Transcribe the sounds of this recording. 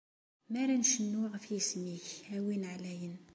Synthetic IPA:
mæɾænʃənːwəʁfjəsmiçhæwinʕlæjən

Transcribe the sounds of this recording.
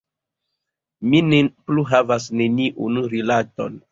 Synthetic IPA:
minepluɦavasne̞niʔunɾilato̰n

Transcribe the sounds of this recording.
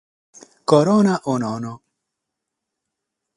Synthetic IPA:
koɾoːnaʔonoːno

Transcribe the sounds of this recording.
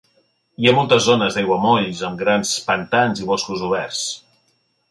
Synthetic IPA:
iamɔlˠt̪əzːonəzðajɣwəmɔʎzəmɡɾanspənt̪anziβoskuzuβɛrs

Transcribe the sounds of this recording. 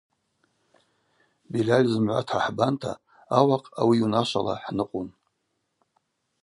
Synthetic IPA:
bilʲalʲzɨmʕʷa̰tʰaħbantʰa̰ː | waqʼawiunaʃʷala̰ħnɨqʼun

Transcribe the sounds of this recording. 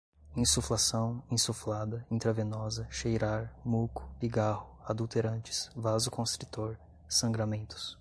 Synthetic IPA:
ĩsuflasɐ̃w̃ĩsuflad̪ɐĩt̪ɾɐvẽnɔzɐʃejɾaɾmukʊ̥piɡahʊad̪uwt̪eɾɐ̃nt͡ʃɪ̥svazʊkõst̪ɾit̪oɾ | sɐ̃ɡɾɐmẽnt̪ʊ̥s

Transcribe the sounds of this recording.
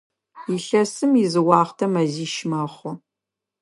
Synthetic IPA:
iɬɐsɨmizɨwɑːχtʰɐmɐziːʃmaːχʷʊ

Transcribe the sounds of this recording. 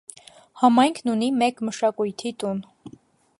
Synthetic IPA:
hɑmɑjŋkʰnunimɛkməʃɑkujt̪ʰit̪un

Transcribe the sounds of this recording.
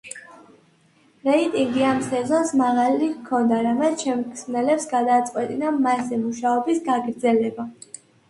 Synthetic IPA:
ɾɛit̪ʼiŋɡiamsɛzɔnsmaʁalikʰɔnd̪aɾamɛt̪t͡ʃʰɛmkʰsnɛlɛpsɡad̪at̪sʼqʼwɛt̪ʼinamasɛmuʃaɔbisɡaɡɾd̪zɛlɛba

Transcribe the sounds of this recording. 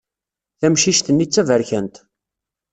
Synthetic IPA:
θæmʃiʃt̪ənːit͡sːævəɾçənt̪

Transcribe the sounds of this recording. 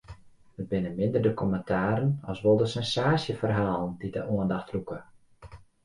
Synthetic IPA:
əd̚bɪnəmɪndərdəkʰɔməntʰaːɾənɔ̰sʋolˠdəsɛnsaːsjəfərɦaːlˠəndidə̰ʔuəndɑxtrukə

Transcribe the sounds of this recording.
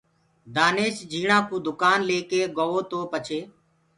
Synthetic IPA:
d̪aːneːʃd͡ʒiːɳãːkũːd̪ʊkaːnleːkeːɡoːʋoːt̪oːpət͡ʃʰeː

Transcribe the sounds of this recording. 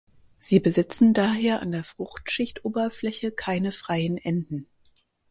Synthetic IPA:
z̥iːbəzɪt͡sn̩daːɦeːɐʔa̰ndeːɐfʁ̥ʊχtʃɪçtʔoːbɐflɛçəkʰaɪnəfʁ̥aɪənʔɛndn̩

